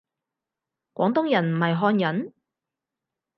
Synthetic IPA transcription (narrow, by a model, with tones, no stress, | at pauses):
kʷɔ̰ː˨˥ŋt̪ʊ˥ŋjɐ˨˩nm̩˨˩hɐ˨jɦɔː˧njɐ˨˥n